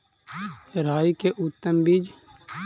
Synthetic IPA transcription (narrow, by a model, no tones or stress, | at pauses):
ɾaːikeʔʊt̪ːəmbiːd͡ʒ